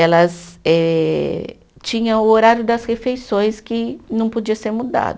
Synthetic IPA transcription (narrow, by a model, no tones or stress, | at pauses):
ɛlɐsɛ | t͡ʃĩɲɐ̃ʊoɾaɾjʊd̪ɐshefejsõj̃skɪnɐ̃w̃pod͡ʒiɐseɾmud̪a̰d̪ʊ